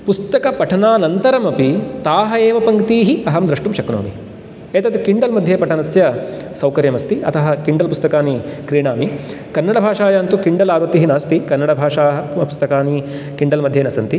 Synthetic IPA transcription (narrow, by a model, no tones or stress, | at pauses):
pust̪ɐkɐpɐʈʰɐnaːnɐnt̪ɐɾɐmɐpit̪aːɦɐeːʋɐpɐŋkt̪iːɦiɐɦɐmd̪ɾɐʂʈumʃɐkno̰ːmḭ | eːt̪ɐt̪kiɳɖɐlmɐd̪ʱjeːpɐʈʰɐnɐsjɐ | sɐwkɐɾjɐmɐst̪iɐ̰t̪ɐɦɐkiɳɖɐlpust̪ɐkaːnikɾiːɳaːmikɐnːɐɽɐbʱaːʂaːjɐːnt̪ukiɳɖɐlaːɾʋɐt̪iːɦinaːst̪ikɐnːɐɽɐbʱaːʂaːɦɐpu̥st̪ɐkaːni | kiɳɖɐlmɐd̪ʱːjeːnɐsɐnt̪i